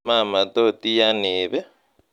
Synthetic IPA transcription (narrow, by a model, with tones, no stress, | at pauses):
a˦˨ma˨to˦˨tʼi˦ja˦nɪːβɛ˦